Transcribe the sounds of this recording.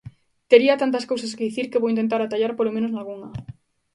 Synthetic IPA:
t̪eɾiɐt̪ant̪ɐskowsɐskeðiθiɾkeβowint̪ent̪̬aɾat̪aʎaɾpolomẽnoznalɣuŋɐ

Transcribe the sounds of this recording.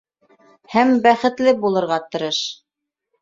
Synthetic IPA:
hæmbæχɘ̆t̪lɘbulˠɤ̆ɾʁɑt̪ɤ̆ɾɤʃ

